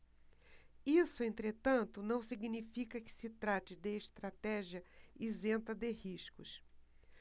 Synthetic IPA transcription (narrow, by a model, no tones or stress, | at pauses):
isʊẽnt̪ɾet̪ɐ̃nt̪ʊnɐ̃w̃siɡnifikɐkɪ̥sɪt̪ɾat͡ʃɪd̪ɪːʃt̪ɾat̪ɛʒijɐizẽnt̪ɐd̪ɪhiʃkʊs